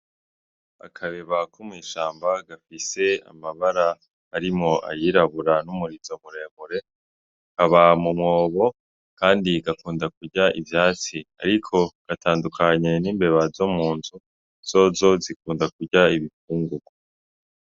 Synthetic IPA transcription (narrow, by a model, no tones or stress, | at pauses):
a̰kʰaβeβakʰomŋiːʃaːmbaɡafise̞a̰maβaɾaː | ɾimŋo̞a̰jiɾaβuɾanumuɾizoβuɾe̞ːβuɾe̞ | kaβamumŋo̞ːβo̞ | kaːndiɡakuːndakuɾɟaḭvjaːt͡sia̰ɾikʰo̞ɡ̥atʰaːndukʰaɲe̞niːmbe̞βazomuːntu | z̥o̞zo̞zikuːndak̚uɾɟaiβifuːŋɡuɡo